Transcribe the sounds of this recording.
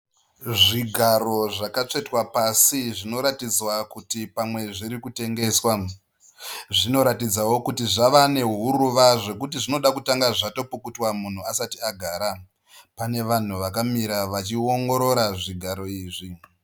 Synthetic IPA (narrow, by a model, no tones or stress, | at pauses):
ʐiɡʱaɾo̞ʐakat͡ʂe̞twapasiʐino̞ɾatid͡zwakutipamwe̞ʐiɾikute̞ŋɡe̞swa | ʐino̞ɾatid͡zawo̞kutiʐaʋane̞ɦuɾuʋaʐe̞kutiʐino̞ɗakutaŋɡaʐato̞pukutwamun̤uasatiaɡʱaːɾa | pane̞ʋan̤uʋakamiɾaʋat͡ʃio̞ŋɡo̞ɾo̞ɾaʐiɡʱaɾo̞iːʐi